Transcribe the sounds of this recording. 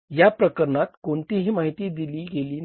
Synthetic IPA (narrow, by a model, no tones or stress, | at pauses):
japɾəkəɾnat̪koɳt̪iɦiːmaɦit̪iːd̪iliːɡeliːn